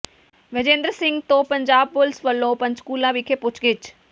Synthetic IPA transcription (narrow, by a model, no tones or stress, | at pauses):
ʋed͡ʒẽːnd̪ɾəsɪ̃ŋɡt̪õːpəɲd͡ʒaːb̚pʊlsʋəlːõːpə̃ɲt͡ʃkuːlãːʋɪkʰepʊt͡ʃʰkɪt͡ʃ